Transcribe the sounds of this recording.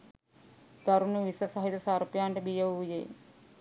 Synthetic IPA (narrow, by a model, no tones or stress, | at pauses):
d̪̥aɾunuʋisəsɐɦit̪əsaɾpjaːɳʈəbijəʋujḛː